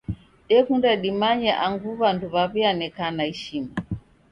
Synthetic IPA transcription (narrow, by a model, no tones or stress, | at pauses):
ɗɛkundaɗimaɲɛʔaŋɡuβanduβaβianɛkanaiʃima